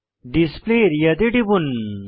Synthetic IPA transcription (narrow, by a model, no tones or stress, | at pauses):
ɖispleɾjɐt̪eʈibun